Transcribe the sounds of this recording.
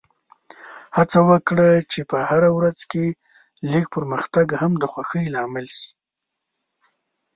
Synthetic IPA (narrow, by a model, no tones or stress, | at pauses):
hat͡sawəkɽət͡ʃepəhaɾawɾazke | lik̚pəɾməxt̪aɡhamd̪əxwaxəjlɑmɪlʃi̥